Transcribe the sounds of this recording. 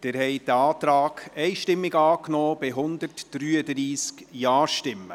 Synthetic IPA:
d̥ɪɾhɛɪd̥̪əɑːt̪ɾaːɡ̥ɛɪʃtɪmːɪɡɑːknɔːb̥ɪɦʊndəɾtd̥ɾyːədɾiːskjaɑːʃtɪmːə̰

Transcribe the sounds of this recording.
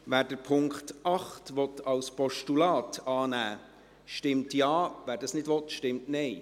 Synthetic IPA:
ʋæːɾdəɾpʰʊŋkχtɑχtʋɔtʰɑwspɔʃtulɑːtɑːnæː | ʃtɪmtjɑːʋæːɾdɑsnɪdʋɔtʃtɪmtnɛɪ

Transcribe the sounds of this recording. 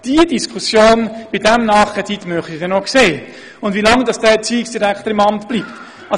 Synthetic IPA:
d̥iəd̥iskʰusjoːnb̥ɪdɛmnɑːχkɛt͡sit̪mœχtid̥ɛnokseː | ʊndvilɑŋd̥ɑsd̥ɛt͡siːɪksd̥iɾækt̪əɾɪmɑmtb̥lipt | ʔɑ

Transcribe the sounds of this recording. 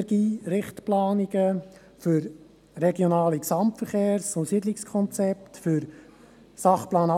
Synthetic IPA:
ɛɾɡiːɾɪχtplɑːniɡə | fʏɾ | ɾɛɡjonɑːliksɑmpfəɾχeːɾsʊsidlɪkskʰɔnt͡sɛptfʏɾ | sɑχplɑːnɑ

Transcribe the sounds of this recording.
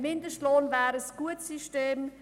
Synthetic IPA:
mɪndəʃtloːnvɛːɾəsɡ̥uətsiʃteːm

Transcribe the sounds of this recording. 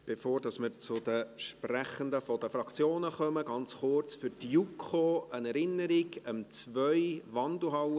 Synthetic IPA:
b̥efoːɾd̥ɑsməɾt͡sʊd̥̪əʃpræχənd̪əfɔd̥əfɾɑkt͡sjoːnəχœməɡ̥ɑnt͡sχʊɾt͡sfyɾtjukʰχoənɛɾɪnːəɾɪɡəmt͡svœʏvɑndl̩ɦɑw

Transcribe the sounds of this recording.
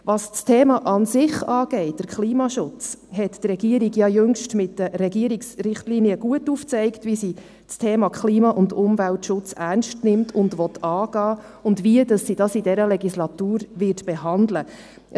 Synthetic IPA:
ʋɑst͡stʰeːmɑʔɑnsɪχɑːɡ̥ɛɪt̚d̥əɾkχliːmɑʃʊt͡shɛtd̪rɾɛɡ̥iəɾiɡjɑjøŋʃtmɪtd̥əɾɛɡiəɾiksɾɪχtliːniəɡ̥uətuːft͡sɛɪktvʋisi | t͡stʰeːmɑkχliːmɑʔʊndʊmvæltʃʊt͡sæɾnʃtnɪmtʰʊndʋɔt̪ʰɑːɡ̥ɑː | ʊndʋiədɑsːid̥ɑsidɛɾəlɛɡislɑt̪uːɾʋɪtb̥ɛɦɑndlə

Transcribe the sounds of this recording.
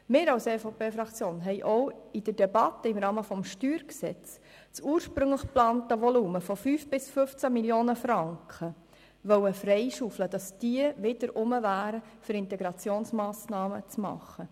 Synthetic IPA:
mɪːɾɑwseːfopeːfɾɑkt͡sjoːnɦɛɪʔɔwid̥ədɛbɑt̪ːəɪmɾɑːməfɔmʃtyːɾksɛt͡s | t͡suːəɾʃpɾʏŋləχplɑːnt̪əʋɔluːməfɔfyːfb̥ɪsfʏft͡sæmiljoːnəfɾɑŋkχə | ʋœwəfɾɛɪʃufləd̥ɑsd̥iəʋɪd̥əɾʊməvæːɾəfʏɾɪntɛɡɾɑt͡sjoːnsmɑːsnɑːmət͡smɑ̰χːə

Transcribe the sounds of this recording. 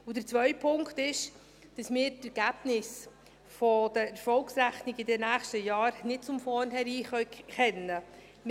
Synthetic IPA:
ʊd̥ət͡sʋœʏpʰʊŋktɪʃ | d̥ɑsmɪːɾdɛɡ̥æb̥nɪs | fɔd̥əfɔlksɾæχniɡɪdɛnæːχʃtəjɑːɾnɪt̚t͡sʊmfɔnhɛɾiːχœɥχɛnːə | m

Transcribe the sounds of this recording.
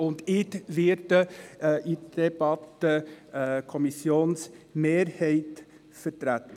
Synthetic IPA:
ʊnd̪ɪdʋɪɾdəʔid̥ɛb̥ɑt̪ə | kʰɔmɪsjoːnsmeːɾheɪt̪ | fət̪ɾæt̪

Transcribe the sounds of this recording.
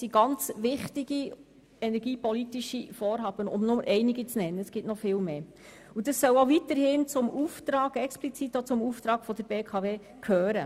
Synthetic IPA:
siɡɑnt͡sʋɪχtiɡi | ɛnɛɾɡiːpɔlitiʃifɔːɾɦɑːb̥ənʊ̰mnʊməʔɛɪniɡit͡snɛnːəəsɡ̥ɪtnɔfɪːlmeː | ud̥ɑsːœwovitəɾhɪnt͡sʊmuːft̪ɾɑːɡɛksplit͡sit̪ːot͡sʊmuft̪ɾɑːɡ̥fɔd̥̪əɾbeːkʰɑʋeː | kʰhøːɾə

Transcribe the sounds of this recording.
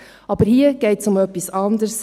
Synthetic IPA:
ʔɑb̥əɾhiːəɡ̥ɛɪtsʊmœpːisɑnd̪əɾs

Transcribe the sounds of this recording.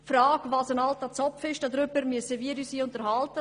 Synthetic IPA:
fɾɑːɡvɑːsənɑltat͡sɔpfɪʃd̥ɑd̪ɾʏbəɾmyəsəʋiəɾyːsiːʊntəɾhɑltə

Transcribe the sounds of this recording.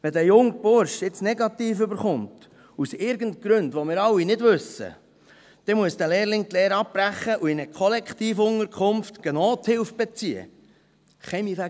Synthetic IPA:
ʋɛd̪æjʊŋb̥ʊɾʃɪt͡snɛɡɑt̪iːfʏbəɾχʊnt | usɪɾɡəntɡ̥ɾɵndʋomɪːɾɑwːinɪdʋɵsə̰ | d̥ɛmuəsd̥̪ælɛːɾlɪŋt̪lɛːɾɑppɾæχːəʔuɪnəkʰχɔlɛkχt̪iːfʊŋəɾkʰχʊmftɡ̥ɛnɔːt̪hɪlfb̥ɛt͡siə̰ | χɛmifæ

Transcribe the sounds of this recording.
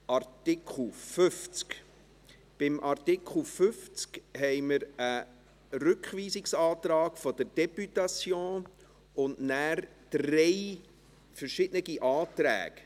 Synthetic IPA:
ʔɑrtɪkʰl̩fʏft͡sk | b̥ɪmʔɑrtɪkχl̩fʏft͡skhɛɪməɾə | rʉkχʋiːsɪksɑːt̪ɾɑːɡfɔd̥̪əɾd̥ɛpytɑt͡sjõː | ʊnnæːr | d̥rɛj | fəɾʃɪd̥nəɡiʔɑːt̪ɾæ̰ːɡ̥

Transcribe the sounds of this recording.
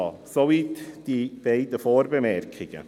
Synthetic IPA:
soʋiːt̪d̪̥ib̥eɪdəfoːɾbəmɛɾkʰɪɡ̥ə̰

